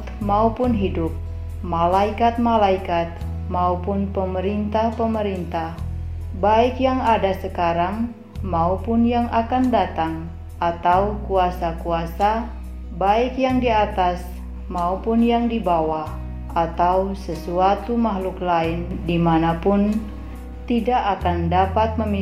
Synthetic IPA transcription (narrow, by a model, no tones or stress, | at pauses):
t̪maupʊnɦidʊp̚ | malaikat̪̚malaikat̪̚ | maupʊnpəməɾint̪ahpəməɾint̪ah | baɪkjaŋadasəkaɾaŋ | maupʊnjaŋʔakandat̪aŋ | ʔat̪awkuasakuasa | baɪkjaŋdiat̪as | maupʊnjaŋdibawah | ʔat̪awsəsuat̪umaɦlʊklaɪndimanapʊn | t̪idaʔakandapat̪̚məmi